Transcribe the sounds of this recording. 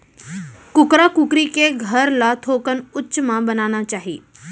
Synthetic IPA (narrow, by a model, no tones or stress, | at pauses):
kʊkɾakʊkɾikeɡʱəɾlat̪ʰoːkənʊtːʃmãbɐnaːñat͡ʃaːɦiː